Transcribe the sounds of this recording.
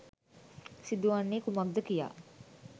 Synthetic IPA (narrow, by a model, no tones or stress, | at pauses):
sid̪uʋanːeːkumak̚d̪əkija̰ː